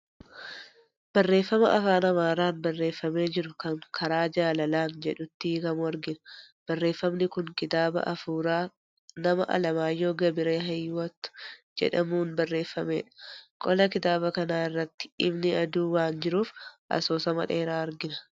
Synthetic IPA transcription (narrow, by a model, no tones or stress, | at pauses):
b̥ɐrːe̞ːfːɐmɐ̰ʔɐfaːnɐmaːɾaːnbɐrːe̞ːfːɐme̞ːd͡ʒɪɾʊkɐŋkʰɐɾaːd͡ʒaːlɐlaːnd͡ʒɛᶑʊt̪ːɪkɐmɐɾɡɪnɐ̥ | b̥ɐrːe̞ːfːɐmnɪkʊŋkɪt̪aːbɐ̰ʔɐfuːɾaː | nɐmɐ̰ʔɐ̰lɐmaːjːo̞ːɡɐbɪɾe̞ːɦɐjːwɐt̪ːʊ̥ | d͡ʒɛ̰ᶑɐmuːnbɐrːe̞ːfːɐmeːᶑɐ̥kʼɔlɐkɪt̪aːbɐkɐnaːɪrːɐt̪ːɪ̥ɪbnɪɐd̪uːwaːnd͡ʒɪɾuːfʔɐ̰soːsɐmɐ̰ᶑe̞ːɾaːɐɾɡɪnɐ